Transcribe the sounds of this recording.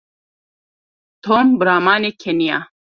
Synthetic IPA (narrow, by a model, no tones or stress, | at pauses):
t̪ʰoːmbɨɾaːmaːnekʰɛnija̰ː